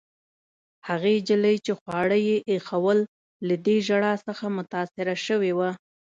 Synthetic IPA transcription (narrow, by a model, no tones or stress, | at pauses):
haɣed͡ʒələjt͡ʃexwɑɽəjeʔexawəlː | ad̪eʒaɽɑsəxamʊt̪ɑsɪɾaʃəwewa